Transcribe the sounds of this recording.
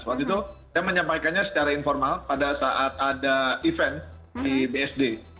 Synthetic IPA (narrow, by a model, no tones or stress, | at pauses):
suat̪it̪usaməɲampajkanɲasə̥t͡ʃaɾainfɔrmalpadasaʔat̪̚adaifɛn̚ | dibeɛsde